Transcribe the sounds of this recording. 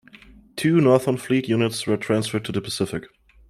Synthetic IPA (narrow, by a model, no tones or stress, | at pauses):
tʰʉːnɔɹðə˞nflitjʉnɪtswə˞tʰɹ̥æ̃nsfə˞d̚tʰɨðəpʰəsɪfɪk